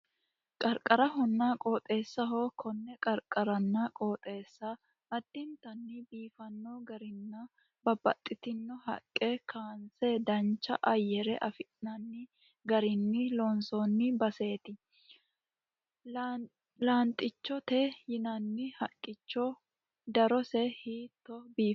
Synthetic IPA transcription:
kʼɐɾkʼɐɾɐɦɔnːaːkʼo̞ːt̪ʼe̞ːsːɐɦoːkʰɔnːɛkʼɐɾkʼɐɾɐnːɐkʼoːt̪ʼe̞ːsːɐ | ʔɐd̪̥ːɪnt̪ɐnːɪbiːfɐnːoɡɐɾɪnːɐ | bɐbɐ̰t̪ʼːɪt̪ɪnːɔɦɐ̰kʼːekʰaːnsɛd̪ɐnt͡ʃːɐ̰ʔɐjːɛɾɛʔɐfɪnɐnːɪ | ɡɐɾɪnːɪlɔnsonːɪbɐse̞ːt̪ɪ | laːnt̪ʼːɪt͡ʃːɔt̪ɛjɪnɐnːɪhɐkʼːɪt͡ʃːɔ | d̪ɐɾɔsɛhiːt̪ːɔbiːf

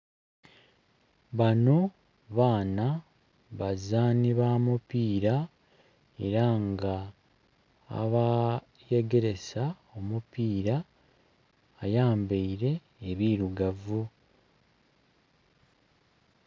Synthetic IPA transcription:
βano̞ | βaːna | βazaːniβamupiːɾa | e̞ɾaŋɡa | βa | je̞ɡe̞ɾe̞sa | o̞mupiːɾa | jaːmbeiɾe̞ː | βiːɾuɡavu

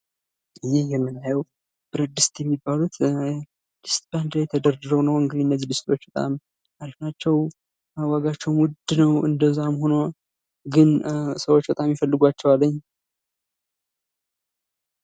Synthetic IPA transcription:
jɪhjɛmːɨnːajəw | b̥ɨɾəd̪ɨst̪jɛmːibːalut̪ | d̪̥ɨst̪band̪ɾjt̪ʰəd̪əɾɨɾəwnəwɨŋɡɨd̪iɨnːəzːid̪ɨst̪ʰo̞t͡ʃːbət̪ʼa̰m | t̪ʰaɾifnat͡ʃːɛw | awaɡat͡ʃːɛwnwʊd̪nəwɨ̰nd̪əzːamho̞no | ɡɨnsəwo̞t͡ʃːbət̪ʼamjifəlːɨɡʷat͡ʃːɛwalːəɲː

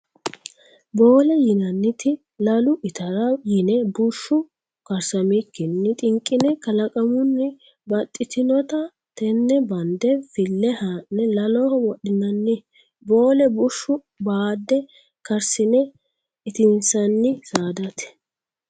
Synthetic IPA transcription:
bo̞ːlɛjɪnɐnːɪt̪ɪ | lɐlʊʔɪt̪ɐɾɐjɪnɛbʊʃːʊ | kɐɾsɐmikːɪnːɪt̪ʼɪŋkʼːɪnɛkɐlɐkʼɐmʊnːɪ | bɐt̪ʼːɪt̪ɪnɔt̪ɐ | t̪ɛnːɛbɐnd̪ɛfɪlːɛhanːɛlɐlɔhɔwɔɗɪnɐnːɪ | bo̞ːlɛbʊʃːʊ | baːd̪ːɛ | kɐɾsɪnɛ | ɪt̪ɪnsɐnːɪsaːd̪ɐt̪ɛ̥

